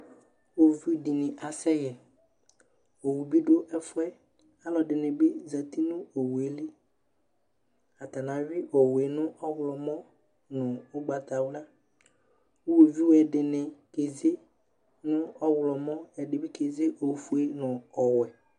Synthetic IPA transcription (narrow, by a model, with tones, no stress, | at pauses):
wo˨vi˦dɪ˨nɪ̃˨ʔa˨sɛ˦jɛ˨ | o˨wu˨bi˦ɖo˦ʔɛ˦fʊ˦ɛ˦ | a˦lɔ˨dɪ˨nɪ̃˨be˦za˨t̪i˦nʊ̃˦o˨wu˨e˨le˦ | a˨t̪a˨nã˨vi˦ʔɔ˨we˨nʊ̃˦ʔɔ˦wlɔ˨mɔ̃˦ | nʊ̃˨o˦ɡ͡ba˨t̪a˨wla˦ | o˦we˨vi˦wɛ˨ɖɪ˨nɪ̃˨ke˨ze˦ | nʊ̃˦ɔ˦wlɔ˨mɔ̃˦ɛ˨dɪ˨bɪ˦ke˨ze˦ʔo˨fu˨˦e˦nʊ̃˨ɔ˨wɛ˨